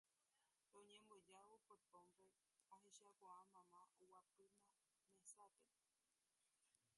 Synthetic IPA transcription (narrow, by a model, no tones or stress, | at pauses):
õɲẽmbod͡ʒaʋopot̪õmpe | ãɦẽʃakʷaamãmãʔowapɨnã | mẽsape